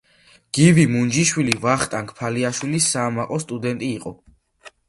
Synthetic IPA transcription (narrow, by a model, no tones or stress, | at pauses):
ɡ̥ivimund͡ʒiʃwilivaχt̪ʼaŋkʰpʰaliaʃwilisaːmaqʼɔst̪ʼud̪ɛnt̪ʼiːqʼɔ